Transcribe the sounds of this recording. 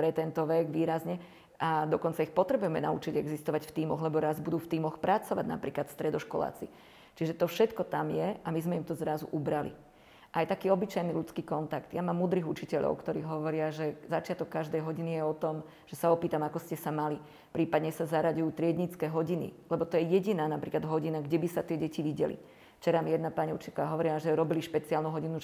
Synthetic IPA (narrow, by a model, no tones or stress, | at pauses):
pɾɛt̪ɛnt̪ɔʋɛɡʋiːɾazɲɛ | ʔad̪ɔkɔnt͡saixpɔt̪ɾɛbujɛmɛnaṵt͡ʃiɟɛɡzist̪ɔʋacft̪iːmɔɣlɛbɔɾazbud̪uːft̪iːmɔxpɾat͡sɔʋa̰ɟna̰pɾiːklat̪st̪ɾɛd̪ɔʃkɔla̰ːt͡si | t͡ʃiʒɛt̪ɔfʃɛt̪kɔt̪amjɛʔamizmɛimt̪ɔzɾazṵʔubɾalḭ | ʔajt̪akiːɔbit͡ʃajnilut͡skiːkɔnt̪akt̪jamaːmːuːd̪ɾiɣut͡ʃicɛʎɔ̰ʊkt̪ɔɾiːɦɔʋɔɾɪaʒɛzat͡ʃɪat̪ɔkːaʒd̪ɛjɦɔɟinijɛɔt̪ɔm | ʒ̥ɛsaɔpiːt̪amakɔscɛsamali | pɾiːpad̪ɲɛsazaɾaɟujuːt̪ɾɪɛd̪ɲit͡skɛːɦɔɟinḭlɛbɔt̪ɔjɛjɛɟinaːnapɾiːklad̪ɦɔɟinaɡɟɛbisat̪ɪɛɟɛciʋiɟɛ̰lḭ | ft͡ʃɛɾamijɛd̪napaɲiut͡ʃicɛaɦɔʋɔɾiaʒɛɾɔbiliʃpɛt͡siaːlnuɦɔɟinu